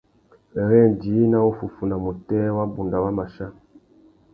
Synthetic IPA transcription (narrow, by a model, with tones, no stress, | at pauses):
ɛ˨ɾɛ˦˨ndi˨˦na˦u˦fu˨fu˨na˨mu˨tɛ˦wa˦bu˨nda˨wa˦ma˨ʃa˦